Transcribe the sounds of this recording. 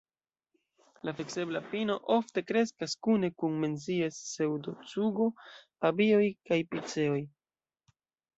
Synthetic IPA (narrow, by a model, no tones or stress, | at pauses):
lafekse̞blapino̞ʔo̞fte̞kɾe̞skaskune̞kunme̞nz̬iesːewdot͡suɡo̞pabio̞jkajpit͡se̞o̞j